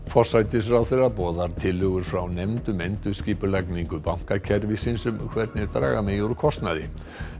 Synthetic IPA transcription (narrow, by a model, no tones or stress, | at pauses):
fɔr̥sajt̪ɪsfɾawθejrapɔːðaɾ̥t̪ʰɪlhʏɣʏɾ̥fɾawnɛmt̪ʏmɛnt̪ʏsciːpʏlakniŋkʏpawŋ̥kacʰɛɾvɪsinsʏmkʰvɛɾt̪nɪt̪ɾa̰ːɣamɛjowɾʏkʰɔst̪naðɪ